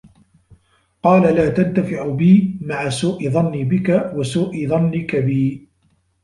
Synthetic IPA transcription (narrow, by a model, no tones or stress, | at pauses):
qɑːlalaːt̪ant̪afɪʕʊbiːmaʕasuːʔɪðˤɑnːibɪkawasuːʔɪðˤɑnːɪkabiː